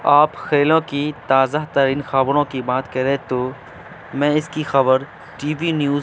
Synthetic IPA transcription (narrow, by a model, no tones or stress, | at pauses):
aːpxeːlõkit̪aːzaɦt̪əɾiːnxɐbɾõkibaːt̪kɐɾẽt̪oː | mɛ̃ɪskixɐbəɾ | ʈiːbinjuː